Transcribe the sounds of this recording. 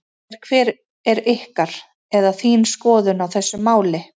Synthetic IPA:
ɛɾ̥kʰvɛːɾ | ɛɾɪhkaɾ̥ | ɛðaθiːnskɔːðʏnawθɛsːʏmaːwlɪ

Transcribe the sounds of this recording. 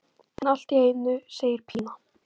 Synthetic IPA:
ɛnal̥t̪iejnʏseːjɪɾ̥pʰiːna

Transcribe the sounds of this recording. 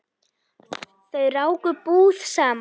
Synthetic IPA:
θœɥraːwkʏpuːðsaːm

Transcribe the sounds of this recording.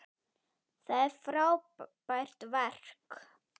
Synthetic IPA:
θaðɛɾ̥fɾaːwpajr̥t̪vɛr̥k

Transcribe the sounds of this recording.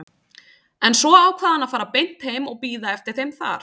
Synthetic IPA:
ɛnsɔaːwkʰvaːðanafaːɾapejn̥t̪hejmɔɣpiːðaɛft̪ɪɾ̥θejmθa̰ɾ̥

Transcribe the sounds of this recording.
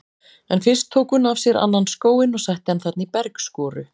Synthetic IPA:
ɛnfɪ̥skt̪ʰoːwkʏnavsjɛɾa̰nːanskoːwɪnɔɣsajht̪ɪanθɛt̪nipɛɾkskɔːɾʏ

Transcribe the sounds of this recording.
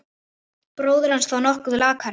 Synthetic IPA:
pɾoːwðɪɾhansθawnɔhkʏðʏlaːkʰaɾ

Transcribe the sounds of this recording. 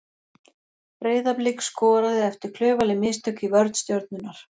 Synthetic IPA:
ɾeːjðaplɪkskɔːɾaðɪɛft̪ʏɾ̥kʰl̥œːɥvalɪmɪðst̪œkivœɾt̪st̪jowɾt̪̚nʏnaɾ̥

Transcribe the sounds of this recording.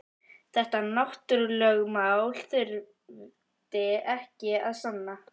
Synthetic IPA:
θɛht̪anawht̪ʏɾlœːɣmawl̥θʏɾ | t̪ɪɛhcɪaðsanːa

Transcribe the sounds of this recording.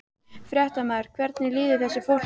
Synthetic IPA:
fɾʲjɛht̪amaːɾ̥kʰvɛɾt̪nɪlɪːðɪθɛsːɪfowl̥

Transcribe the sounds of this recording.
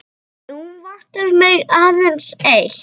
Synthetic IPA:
uvaht̪ɛvmɪɣaːðɛnsejl

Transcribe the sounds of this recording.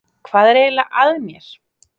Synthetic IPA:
kʰvaːðɛɾeːlaʔaðmjɛɾ̥

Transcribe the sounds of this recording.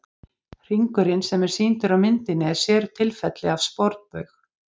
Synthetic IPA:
r̥iŋkʏɾɪnsɛmɛɾ̥siːnt̪ʏɾawmɪnt̪ɪnːɪɛɾ̥sjɛːɾʏt̪ʰɪlfɛt̪lɪav̥spɔɾt̪pœɥx

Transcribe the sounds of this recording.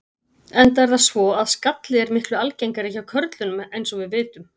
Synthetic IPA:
ɛnt̪aɾðasvɔaðskat̪lɪɛɾmɪhklʏalcejŋkaɾehcawkʰœɾt̪lʏnʏmejnsɔvɪðvɪːt̪ʏm

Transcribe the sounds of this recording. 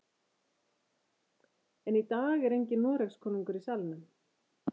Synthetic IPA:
ɛnit̪aːɣɛɾejɲcɪnɔːɾɛkskʰɔːniŋkʏɾisalnʏm

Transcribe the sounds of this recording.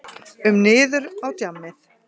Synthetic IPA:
ʏmnɪːðʏɾawt̪jamːɪθ

